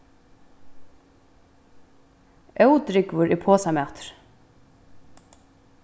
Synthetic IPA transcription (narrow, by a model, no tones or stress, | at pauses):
œwt̪ɾɪkvʏɾipʰɔːsamaːt̪ɾ̥